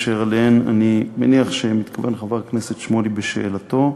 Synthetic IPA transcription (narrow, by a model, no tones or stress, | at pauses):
ʃeʁaleena̰nimeniaχʃe̞mit̪kʰave̞nχavaʁknese̞t̪ʃmo̞libeʃe̞̰ːlat̪o̞